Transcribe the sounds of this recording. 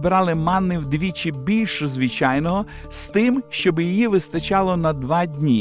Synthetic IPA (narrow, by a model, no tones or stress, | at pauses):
bɾɑlˠɪmɑnːɪwd̪ʋʲit͡ʃɪbʲilʲʃɔzʋɪt͡ʃɑjnɔɦɔ | st̪ɪmʃt͡ʃɔbjijiʋɪst̪ɐt͡ʃɑlˠɔnɐd̪ʋɑdʲnʲi